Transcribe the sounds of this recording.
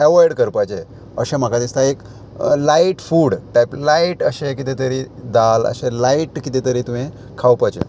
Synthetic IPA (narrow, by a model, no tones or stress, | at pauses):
ɛʋɔjɽkəɾpajt͡ɕe | ə̰ɕem̤akad̪ist̪aek | laiʈfuːɽʈajplaiʈəɕẽkit̪et̪əɾiːd̪alə̰ɕelaiʈkit̪et̪əɾiːt̪uɦẽ | kʰawpajt͡ɕḛ